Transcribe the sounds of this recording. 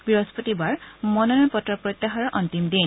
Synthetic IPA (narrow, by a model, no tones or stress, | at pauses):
biɹɔspɔtibaɹmɔnɔnɔnpɔtɹɔpɹɔjt̪ːaɦaɹɔʔɔntimdin